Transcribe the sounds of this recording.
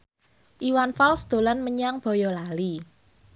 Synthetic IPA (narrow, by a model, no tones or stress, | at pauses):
ʔiwanfalsd̪̥o̤lanməɲaŋb̥ɔ̤jɔlali